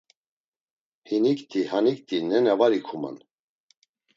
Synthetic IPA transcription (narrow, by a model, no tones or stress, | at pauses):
hinikt̪ʰʼihanikt̪ʰʼinɛnɛvaɾikʰuma̰n